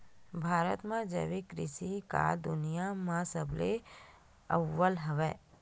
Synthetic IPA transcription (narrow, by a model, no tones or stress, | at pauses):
bʱaːɾə̰t̪mãd͡ʒə̰ʋikɾɪ̰sika̰d̪ʊnijamãsəble | ə̰ʋːəlɦɐʋɛː